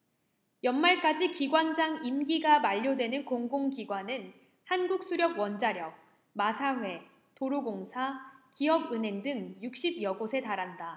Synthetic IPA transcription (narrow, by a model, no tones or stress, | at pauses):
jʌnmaɭk͈ad͡ʑikiɡwand͡ʑaŋimɡiɡamaʎːodwe̞nɯnkoŋɡoŋɡiɡwanɯn | hanɡuk̚s͈uɾjʌɡ̚wʌnd͡ʑaɾjʌk̚ | masʰaɸwe̞ | toɾuɡoŋsʰakiʌbɯnɦe̞ŋdɯŋjuk̚ɕ͈ibjʌɡosʰe̞taɾanda